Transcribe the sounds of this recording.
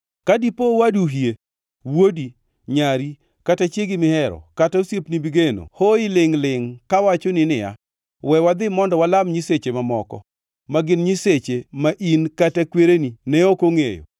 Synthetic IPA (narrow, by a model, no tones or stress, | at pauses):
kadipowaduɦje | wodi | ɲaɾi | katat͡ʃjeɡɪmɪhɛɾɔ̰kataosjepnibiɡeno̰hoɪlɪŋlɪŋkawat͡ʃonɪnɪja̰ | wɛwad̪ɪmɔndɔwalamɲiset͡ʃemamɔkɔ̰ | maɡɪnɲiset͡ʃemaʔinkatakweɾeninɛokoŋejo̰